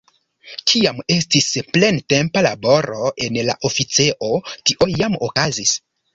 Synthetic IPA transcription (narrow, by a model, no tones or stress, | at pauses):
kʰiame̞stisple̞nte̞mpalabo̞ɾo̞e̞nla̰ʔofit͡se̞ʔo̞tiʔo̞jamokazis